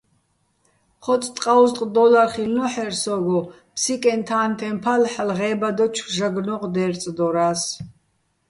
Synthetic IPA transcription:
χʰɔtt͡sʼt̪ʼqʼawst̪ʼqʼd̪ɔlarχilnɔħɛɾsɔɡɔ | pʰsikʼɛnt̪ʰaːnt̪ʰɛmpʰalħlʁɛːbad̪ɔt͡ʃʰʒaɡnɔqʼd̪ɛːɾt͡s̪ʼd̪ɔɾaːs

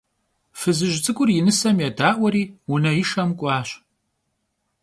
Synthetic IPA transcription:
fɨzɨʒt͡sʼɨkʷʼʊrjɪnɨsɐmjadaːʔʷɔɾiːwunɐjɪʃɐmkʷʼɑːɕ

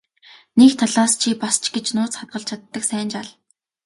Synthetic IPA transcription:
nekt̪ʰaɮaːst͡ɕʰipast͡ɕɡet͡ɕnʊːt͡sχat̪̚ɢə̆ɬt͡ɕʰat̪ːə̆ksæːnt͡ɕaɮ

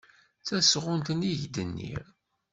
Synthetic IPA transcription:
t͡sæsʁʊnt̪əniʝd̪ənːḭɾ

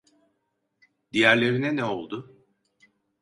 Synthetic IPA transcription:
d̪̥ijæɾlʲe̞ɾinɛnɛo̞lˠd̪ʊ

